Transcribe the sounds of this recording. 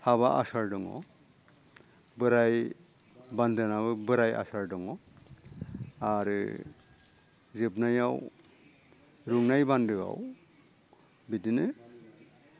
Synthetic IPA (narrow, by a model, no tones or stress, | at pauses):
haβaʔasaɾdɔŋɔ̰ | bɯɾaj | bandɯnaβɯbɯɾaja̰saɾdɔŋɔ | aɾ | zɯb̚najaw | ɾuŋnajbandɯɡa̰w | bidinɯ